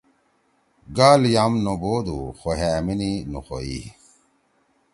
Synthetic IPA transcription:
ɡaːljamnoboːd̪uxoɦemininuxoḭ

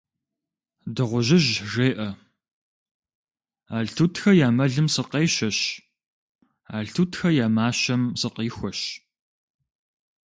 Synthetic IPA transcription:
dɨʁʷʊʑɪʑʒeːʔɐ | aːɮtʰuːtʰxɐjaːmɐɮɨmsɨqeːʃɐɕ | aːɮtʰuːtʰxɐjaːmaːɕɐmsɨqiːxʷɔɕ

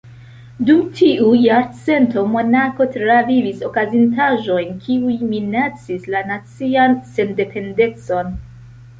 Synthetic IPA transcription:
dumtʰiujaɾt͡se̞nto̞mo̞nako̞tɾaviviso̞kazintaʒo̞jnkʰiujminat͡sislanat͡sianse̞nde̞pʰe̞nde̞t͡so̞n

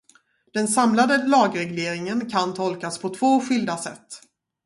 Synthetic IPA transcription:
d̪̥ɛnsamlad̪əlɑːɡɾɛɡleːɾɪŋənkʰant̪ʰɔlkaspʰɔt̪ʰv̥oːɧʏld̪asɛt̪ː

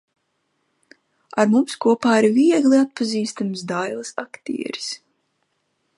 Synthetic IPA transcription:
aɾmumskuɔpaːiɾviɛɡliat̪̚paziːst̪amsd̪ajlˠɨsakt̪ḭɛɾi̥s

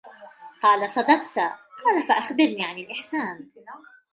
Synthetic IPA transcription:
qɑːlasˤɑd̪ɑq̚t̪qɑːlafaʔaxbɪɾniːʕanɪlʔɪħsaːn

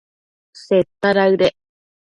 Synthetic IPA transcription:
set̪ːaɾaɯɾe

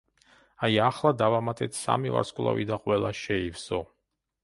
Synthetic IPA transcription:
ajaχlˠad̪avamat̪ʼɛt̪ʰsa̰miva̰ɾskʼwlˠa̰vid̪aqʼwɛlˠaʃɛivsɔ

